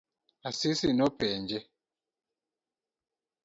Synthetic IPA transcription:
asisinɔpɛnd͡ʒɛ

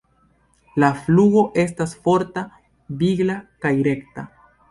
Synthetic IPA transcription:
lafluɡo̞ʔe̞stasfo̞ɾta | biɡlakajɾe̞kta

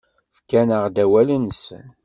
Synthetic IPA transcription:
fkænəʁd̪æwæləns

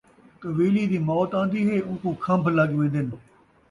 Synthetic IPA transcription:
k̪əʋiːliːd̪iːmɔːt̪ãːnd̪iːɦeːʊ̃nkũːkʰə̃mbləɡʋẽːnd̪ɪn

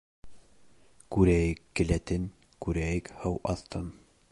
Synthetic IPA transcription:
kʉɾæjɘkːɘ̆læt̪ɘn | kʉɾæjɘkhɤwʔɑθt̪ɤn

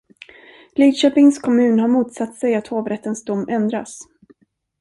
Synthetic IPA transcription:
liːd̪ʃøːpɪŋskʰɔmʉ̟ːnhaɾmuːt̪sat̪ːsɛjat̪hoːvɾɛt̪ːənsd̪ʊmːɛnd̪ɾa̰s

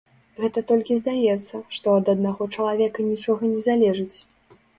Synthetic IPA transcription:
ɣɛt̪ɐt̪ɔlʲkʲizd̪ajɛt̪sːɐʂt̪ɔɐd̪ɐd̪̚naɣɔt͡ʂɐlˠavʲɛkɐnʲit͡ʂɔɣɐnʲɛzalʲɛʐɨt͡sʲ

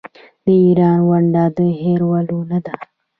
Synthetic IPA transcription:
d̪əiɾɑːnwaɳɖad̪əɦeɾwalonad̪a

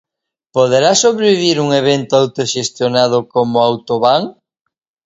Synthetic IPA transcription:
poðeɾasoβɾeβiβiɾuŋeβent̪ʊawt̪oʃest̪jonað̞ʊkomʊawt̪oβaŋ

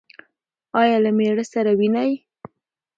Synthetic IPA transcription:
ɑjɑlameɽəsaɾawinaj

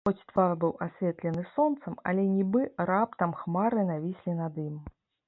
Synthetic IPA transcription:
xɔt͡sʲt̪varbɨwʔasʲvʲeɛt̪lʲɛnɨsɔnt̪sɐmɐ̰lʲɛnʲibɨrap̚t̪ɐmxmaɾɨnavʲisʲlʲinad̪ɨm

